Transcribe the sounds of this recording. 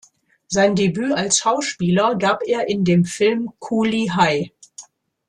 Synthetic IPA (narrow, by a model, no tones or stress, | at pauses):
zaɪndebyːalsʃaʊʃpiːlɐɡaːpeːɐʔɪndeːmfɪlmkʰuliɦaɪ